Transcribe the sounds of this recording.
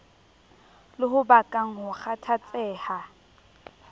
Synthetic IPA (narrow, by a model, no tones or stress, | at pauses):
lɪɦʊbakʼaŋ̩ɦʊχatʰat͡sʼɛːha